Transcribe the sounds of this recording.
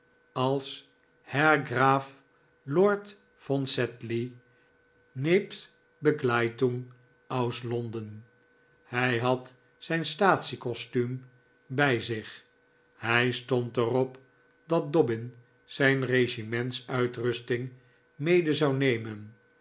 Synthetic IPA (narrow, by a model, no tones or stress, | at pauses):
ɑlˠs | hɛɹɡraːf | lɔɹt | fɔnsɛtli | neps | bəklajtuŋ | ɑwslɔndən | hɛjɦɑt | sɛjnstaːtsikɔstym | bɛjzɪχ | hɛjstɔntərɔp | dɑt̚dɔbɪn | z̥ɛjnreʃimɛntsœɥtrʏstɪŋ | mejdəzɑwnejmən